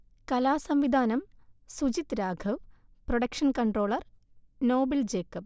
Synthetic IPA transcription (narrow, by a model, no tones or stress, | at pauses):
kɐlaːsɐmʋid̪ʱaːnɐmsud͡ʑit̪ɾaːɡʰʱɐʋproɽɐkʂɐnkɐɳɖro̞ːɭɐr | no̞ːbɐld͡ʑeːkːɐp̚